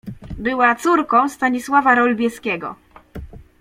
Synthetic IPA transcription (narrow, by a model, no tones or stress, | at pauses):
bɘwat̪suɾkɔ̃w̃st̪aɲiswavaɾɔlbʲjɛskʲɛɡɔ̰